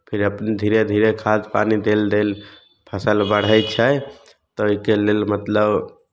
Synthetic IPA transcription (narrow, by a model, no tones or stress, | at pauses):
pʰiɾəpnid̪ʱiɾed̪ʱiɾekʰad͡ʒpanid̪eld̪el | pʰəsəlbəɽ̤əjt͡ʃʰə | t̪ɔoɦikelelmət̪ləb